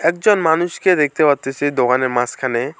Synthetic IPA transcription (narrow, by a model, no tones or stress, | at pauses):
ɛk̚d͡ʒɔnmanuʃked̪ek̚ʰt̪ebat̪esʰed̪oɡaneɾmãskʰane